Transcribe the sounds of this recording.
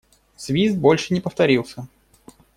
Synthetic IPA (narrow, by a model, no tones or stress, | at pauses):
sʲvʲizd̪̚bo̞lʲʂɨnʲɪpəft̪ɐɾʲilˠsʲə